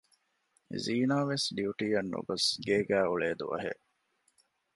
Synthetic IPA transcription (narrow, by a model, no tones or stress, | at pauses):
ziːnaːʋesɖiuʈiːjɐnːṵɡosɡeːɡæːuɭeːd̪ṵʋɐ̰ɦḛʔ